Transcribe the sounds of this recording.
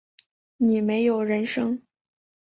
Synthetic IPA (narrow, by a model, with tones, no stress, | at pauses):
ni˨˩me˧˥ɪjo˨˩ʊɻə˧˥nʂɤ˥ŋ